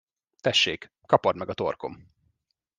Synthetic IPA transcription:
t̪ɛʃːeːk | kɒpod̪mɛɡɒt̪o̞̰rko̞̰m

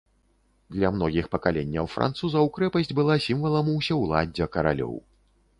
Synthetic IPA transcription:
d̪lʲɐmnɔɣʲixpɐkalʲenʲːɐwfɾʔa̰nt̪suzɐwkɾɛpɐsʲd͡zʲbɨlˠasʲimvɐlˠɐmuwsʲɛwlˠa̰d͡zʲɛkɐɾa̰lʲɔ̰w

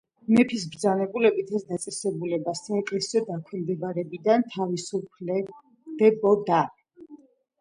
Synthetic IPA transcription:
mɛpʰis̬bɾd̪zanɛbulɛbit̪ʰɛsd̪at̪sʼɛsɛbulɛbasaɛkʼɛsɔd̪akʰwɛmd̪ɛbaɾɛbid̪ant̪ʰavisupʰlɛ | d̪̥ɛbɔd̪a

